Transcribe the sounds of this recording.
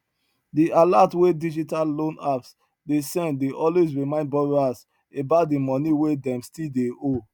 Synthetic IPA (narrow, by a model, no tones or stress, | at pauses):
diʔalatwedid͡ʒitalːõnaps | desɛ̃ndeʔɔlwes̬ɹimãɪ̃nd̚bɔɹas | ebat̚dimɔniwedɛ̃mstildeo